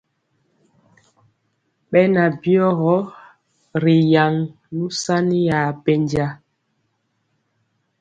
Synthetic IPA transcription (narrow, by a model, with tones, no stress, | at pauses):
ɓɛ˦na˨bjɔ˦ɣɔ˦ | ɾi˨ja˨ŋ | nu˦sa˦ni˦ja˨bɛ˦ɲd͡ʒa˦